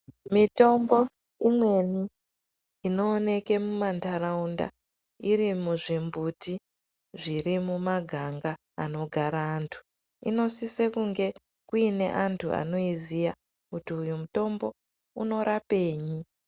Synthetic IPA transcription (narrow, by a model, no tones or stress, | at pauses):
mito̞mbo̞ | imwe̞niː | no̞ːne̞ke̞mumantʰaɾaunda̰ | iɾimuʐimbuti | ʐirimumaɡʱaŋɡa̰ː | no̞ɡʱaɾaːntʰu̥ | ḭno̞sisekuŋɡe̞ | kuine̞̰ʔantʰuʔa̰no̞izija | kutiujumuto̞mbo̞ | uno̞ɾape̞ːɲi